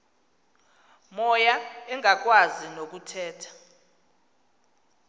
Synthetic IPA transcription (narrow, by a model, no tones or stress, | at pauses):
mɔjaɛŋʱak̬ʼwazinok̬ʼutʰɛːtʰḁ